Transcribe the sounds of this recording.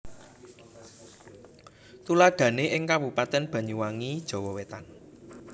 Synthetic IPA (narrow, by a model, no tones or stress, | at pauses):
t̪ulaɡ̥ä̤neʔɪŋkabupat̪ɛnb̥ä̤ɲuwaŋid̥ʒ̥ɔ̤wɔwet̪an